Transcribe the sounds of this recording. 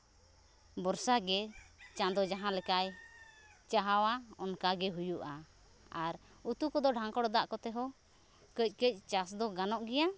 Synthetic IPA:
bɔɾsaɡɛt͡ʃãd̪ɔd͡ʒaɦãlɛkaj | t͡ʃaɦawaɔnkaɡɛɦujuʔa | aɾ | ut̪ukɔd̪ɔɖʱãŋkɔɽɔd̪aʔkɔt̪ɛɦɔ | kəc̚ˀkəc̚ˀt͡ʃasd̪ɔɡanɔʔɡɛja

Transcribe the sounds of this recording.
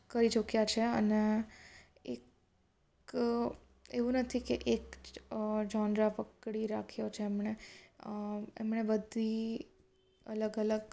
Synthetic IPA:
kəɾit͡ʃəkjat͡ʃʰeə̰ne | ek | eʋũnət̪ʰikeʔek | d͡ʒɔ̃nd̪ɾapəkɽiɾakʰijot͡ʃʰeːmɳe | ḛmɳ̃ebəd̪ʱi | ələɡələɡ

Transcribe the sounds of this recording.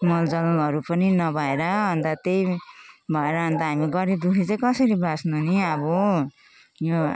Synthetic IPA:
mʌld͡zʌlʌɾupʌninʌbʱaeɾʌɦʌnd̪at̪ejbʱʌeɾʌɦʌnd̪aɦamiɡʌɾid̪ukʰit͡sʌkʌsʌɾibasnuniʌbo | jo

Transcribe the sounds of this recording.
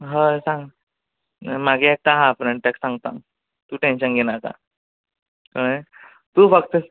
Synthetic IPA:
ɦəsãŋɡ | maɡʱiek̚t̪aɦafɾẽɳɖt̪ɛksãŋɡt̪ã̰ŋ | t̪uːʈenɕənɡenaka̰ | kaɽ | t̪uːfək̚t̪ə

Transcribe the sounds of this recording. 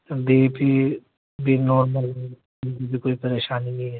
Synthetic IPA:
d̪epi | bʱinɔːɾməl | nɡibʱikoːipɐɾeːʃaːninĩɦɛː

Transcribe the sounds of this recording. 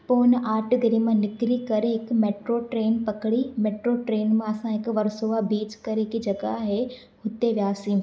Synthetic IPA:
poːnaːʈɡɐɾiːmãnɪkɾikɐɾeɦɪkmeːʈɾoʈɾeːnpɐkɽimeːʈɾoʈɾeːnmãɐsãɦɪkʋɐɾsoːʋabiːt͡ʃkɐɾekid͡ʒɐɡaɦe | hʊt̪eʋjaːsĩː

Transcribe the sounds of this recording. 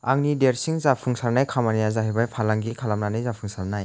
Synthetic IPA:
a̰ŋnideɾsiŋzapʰuŋsaɾnajkʰamanijazaɦibajpʰalaŋɡikʰalamnanɯjzapʰuŋsaɾnaj

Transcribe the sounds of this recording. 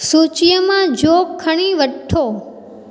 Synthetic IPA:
sut͡ʃjəmãd͡ʒokʰːəɳ̃iʋəʈʰo

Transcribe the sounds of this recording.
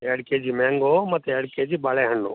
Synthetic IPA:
ɐɽked͡ʒimɛ̃ːŋɡomɐt̪eɐɽked͡ʒiːbaːɭeɦəɳːo̰ː

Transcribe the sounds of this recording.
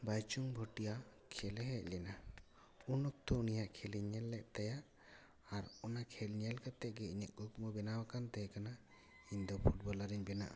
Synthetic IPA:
bajt͡ʃuŋbʱɔʈijakʰɛlɛɦɛʔlɛna | unɔk̚t̪ɔunijakʰɛliɲɛlːɛʔt̪ajaʔ | aɾɔnakʰɛlɲɛlkat̪ɛʔ̚ɡɛiɲɛʔkɔkumɔbɛnawakant̪ɛjkana | iɲd̪ɔpʰuʈ̚bɔlaɾiɲbɛna̰ʔa̰

